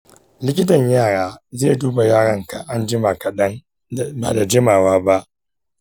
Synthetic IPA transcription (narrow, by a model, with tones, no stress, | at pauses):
lɪ˦kʲɪ˦tɐ˨ɲjaː˦˨ɽaː˦zeː˦˨duː˦ba˨jaː˦˨ɽɐ˦˨ŋka˨ʔa˦nd͡ʒɪ˦ma˨kɐ˨ɗɐ˦n˨ | ba̰ː˨da˨d͡ʒɪ˦maː˨waː˦ba˦ʔ